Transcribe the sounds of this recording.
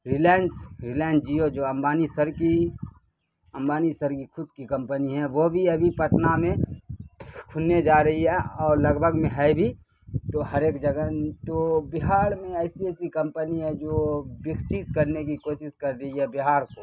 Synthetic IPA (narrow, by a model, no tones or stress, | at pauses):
ɾɪlɛnsɾɪlɛ̃ːnsd͡ʒiod͡ʒoːɐmbaːnisəɾki | ɐ̃mbaːnisəɾkikʰʊd̪̚kikɐ̃mpəniɦɛ̃ʋobʱiɐbʱipəʈ̪namẽ | kʰʊnːed͡ʒaːɾɐɦiɦɛɔːɾlɐɡbʱəɡmẽɦɛbʱi | t̪oɦɐɾeːkd͡ʒəɡənt̪obɪɦaːɽmẽɛɪsiɛɪsikɐ̃mpəniɦɛ̃d͡ʒobɪksit̪̚kəɾnekikoːʃɪskəɾɾɐɦiɦɛbɪɦaːɾko